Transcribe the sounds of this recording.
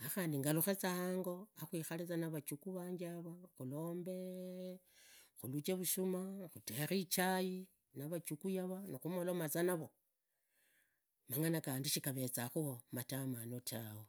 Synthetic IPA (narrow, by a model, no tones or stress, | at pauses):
axaːndiŋɡaluxet͡sahaŋɡo̞axwiːxalet͡sanaβat͡ʃukuβaːɲɡaβaxulo̞ːmbe̞ | xulut͡ʃeβuʃumaxuteɾit͡ʃaji | naβat͡ʃukujaβanixumolomat͡sanaβo̞ | maŋanakaːndiʃikaβe̞t͡saxuomatamanotawo